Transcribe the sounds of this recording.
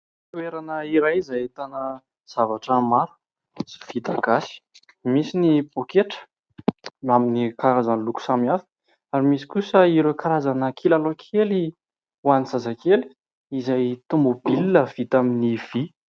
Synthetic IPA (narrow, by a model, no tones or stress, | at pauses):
t̪ueɾanəiɾajizajet̪anə | z̥avaʈ͡ʂəmaɾu̥ | si̥v̥it̪aɡasi̥ | misinibokeʈ͡ʂə̥ | aminikaɾazanluku̥samiafə̥ | aɾimisi̥kusəiɾekaɾazanəkʰilalokʰeli | wanizazakeli̥ | izajt̪umbobilinəv̥it̪aminiv̥i